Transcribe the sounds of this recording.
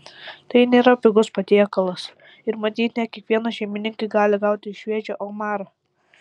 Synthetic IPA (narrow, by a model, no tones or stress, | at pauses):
t̪ɐɪnʲeːɾɐpʲɪɡʊspɐt̪ʲiɛkɐlˠɐs | ɪɾmɐt̪ʲiːt̪ʲnʲɛt̪̚kʲiɛkʋʲiɛnɐʃʲɛɪmʲɪnʲɪŋkɐɡɑːlʲɪɡɑˑʊt̪ʲɪʃʲʋʲiɛd͡ʒʲoːʔoːmɑːɾɐ